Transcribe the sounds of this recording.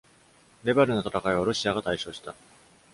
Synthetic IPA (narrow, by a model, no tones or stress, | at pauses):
ɾe̞beɾɯ̟no̞t̪ḁt̪akaiβ̞aɾo̞ɕiaɡat̪aiɕo̞ːɕi̥t̪a